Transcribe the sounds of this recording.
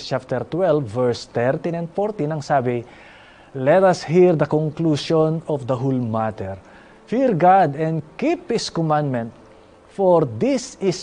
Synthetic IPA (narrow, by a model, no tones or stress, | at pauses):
t͡ʃap̚t̪ɛɹt̪wɛlvːɛɹst̪ɛɹt̪ĩnɛ̃nd̪fɔɹt̪ĩnɐŋsaːbɪ | lɛt̪ɐshiɹd̪ɐkɔŋkluʃɔ̃nɔfd̪ɐɦulmat̪ɛɹ | fiɹɡad̪ɛ̃nd̪kiphɪskɔmãnd̪mɛ̃nt̪̚ | fɔɹd̪isɪs